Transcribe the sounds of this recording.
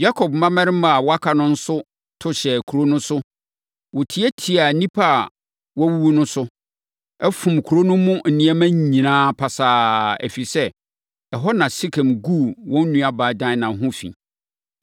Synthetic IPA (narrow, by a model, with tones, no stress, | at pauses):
ja˦kʰɔ˨b̚mã˦mɛ̃˦ɾɪ˦mã˨a˨wɔ˦a˦kʰa˨nʊ̃˦n̩˦sʊ˦ | tʰʊ˦ɕɛ˨kʰu˨ɾo˦nʊ̃˦sʊ˦ | wʊ˨tʰi˨˦ɛ˦tʰi˨a˨nĩ˦pʰa˦˨ | wɔ˦wu˦wu˦nʊ̃˦sʊ˦ | ɛ˦fũ˨mkʰu˨ɾo˦nʊ̃˦mːũ˦n̩˨nɪ̃˨˦ɛ˦mæ̃˦ɲ˨ɲĩ˨nãː˦pʰa˨saː˨˦ɛ̰˨fi˨sɛ˦ | ɛ˨ɦɔ˦nã˨si˦kʰɛ̃˨mɡu˦˨wɔ̃˦n̩ː˦ũ˦a˨baː˨dã˦nã˨˦ɦʊ̃˦fḭ̃˨